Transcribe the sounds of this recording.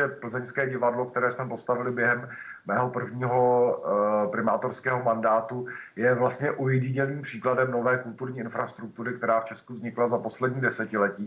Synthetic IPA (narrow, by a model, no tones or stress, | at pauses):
ɛpl̩zɛɲskɛːɟɪvadlo̞k̚t̪ɛɾɛːsmɛpo̞st̪avɪlɪbjɛɦɛm | mɛːɦo̞pr̩vɲiːɦo̞ | pɾɪmaːt̪o̞ɾskɛːɦo̞mandaːt̪ujɛvlast̪ɲɛʔujɛɟɪɲɛniːmpr̥iːkladɛmno̞vɛːkult̪uɾɲiːʔɪnfɾast̪ɾuk̚t̪uɾɪkt̪ɛɾaːft͡ʃɛskuzɲɪklazapo̞slɛdɲiːdɛsɛcɪlɛciː